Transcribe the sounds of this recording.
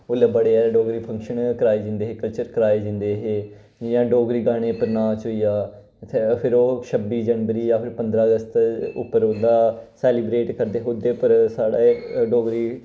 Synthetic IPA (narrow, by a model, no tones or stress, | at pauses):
oːləbəɽeːɛːɖoːɡɾiːpʰə̃ŋkʃənkəɾaːeːd͡ʒɪ̃nd̪eːɦeːkəlt͡ʃəɾkəɾaːeːd͡ʒɪ̃nd̪eːɦeː | jãːɖoːɡɾiːɡaːɽ̃eːpəɾnaːt͡ʃoijaː | t̪ʰːpʰɪɾoːʃʰəbiːd͡ʒənʋəɾiːjãːpʰɪɾpə̃nd̪ɾaːəɡəst̪ʊ̰pːəɾd̪aːsɛːliːbɾeːʈkəɾd̪eːɦod̪eːpəɾsaːɽaːɖoːɡɾiː